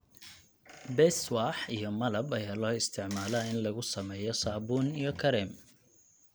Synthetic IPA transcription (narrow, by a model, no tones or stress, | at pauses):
bɛswaħijɔmɐlɐbɐjaːlɔːɪst̪ʰɪʕmaːlɐɪnlɐɣʊsɐmɛːjɔsaːbuːnijɔkʰɐɾɛm